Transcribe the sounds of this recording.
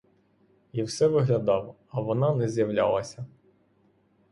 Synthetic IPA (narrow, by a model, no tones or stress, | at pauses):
iwsɛʋɪɦlʲɐd̪ɑw | ɐʋɔnɑnɛzjɐwlʲɑ̰lˠɐsʲɐ